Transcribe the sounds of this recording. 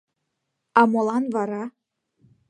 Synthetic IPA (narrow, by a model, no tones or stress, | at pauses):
ɑmolˠɑnvɑɾɑ